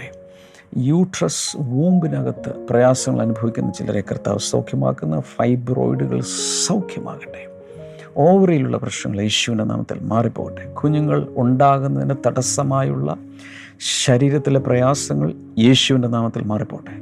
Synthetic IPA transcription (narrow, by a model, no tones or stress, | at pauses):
e | juːʈrɐsʋuːmbinaɣɐt̪ːɨ̰prɐjaːsɐŋːɐ̰ɭɐnubʱɐʋikʲːunːɐt͡ɕilɐ̰ɾekɐrt̪ːa̰ːʋɐsɐ̰wkʰjɐma̰ːkːunːɐfɐjbro̞̰ːjɖuɣɐ̰ɭsɐwkʰjɐma̰ːɣiʈːe̥ | o̞ːʋrijiluɭːɐ̰prɐʂnɐ̰ŋːɐɭjeːɕuʋinde̞nʔa̰ːmɐt̪ːḭlmaːripːoːɣɐʈːekʰuɲːuŋːɐɭuɳɖaːɣunːɐðinɨt̪ɐɽɐsɐmaːjuɭːɐ̰ | ɕɐɾiːɾɐt̪ːileprɐjaːsɐŋːɐɭ | jeːɕuʋinde̞naːmɐt̪ːilmaːripːoːɐʈːe